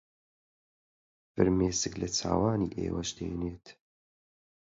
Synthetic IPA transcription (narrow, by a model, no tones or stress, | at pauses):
fɨɾmeːsɨklɐt͡sʰa̰ːwaːniːʔḛːwɐʃd̪ḛːneːt̪